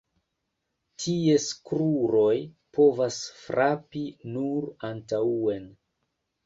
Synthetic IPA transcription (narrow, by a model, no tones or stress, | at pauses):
tʰie̞skɾuɾo̞j | pʰo̞vasfɾʔapinuɾantaue̞n